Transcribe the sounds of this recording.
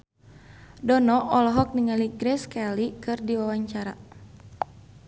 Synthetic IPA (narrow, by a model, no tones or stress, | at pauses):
dɔnɔʔɔlɔɦɔk̚niŋaliɡɾɛskalikɨrdiwawaɲt͡ʃaɾa